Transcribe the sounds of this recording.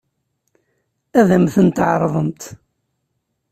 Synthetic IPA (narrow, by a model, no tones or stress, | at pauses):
æðæmθənt̪ʕɾˤðˤəmt̪